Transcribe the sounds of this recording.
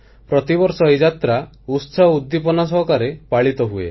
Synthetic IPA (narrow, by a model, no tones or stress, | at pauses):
pɾɔt̪ibɔɾsɔid͡ʒat̪ɾa | utsaud̪ːipɔnas̬ɔɦɔkaɾepaɭit̪ɔɦuḛ